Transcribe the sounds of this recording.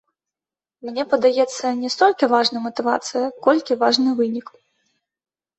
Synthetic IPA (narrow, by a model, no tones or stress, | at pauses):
mnʲɛpɐd̪ajɛt̪sːɐnʲɛst̪ɔlʲkʲivaʐnɐjmɐt̪ɨva̰t̪sɨjɐkɔlʲkʲivaʐnɨvɨnʲik